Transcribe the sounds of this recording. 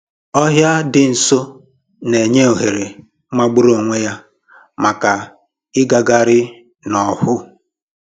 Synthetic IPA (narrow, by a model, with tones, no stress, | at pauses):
ɔ˦ɦja˦dɪ˨n̩˨so˦ | ne˨ɲe˦o˨ɦe˨ɾe˨˦ | ma˦ɡ͡bʊ˦ɾo˨ŋʷe˦ja˦ | ma˨ka˨ | ɪ˦ɡa˨ɡa˨ɾɪ˦ | nɔ˨hʊ˦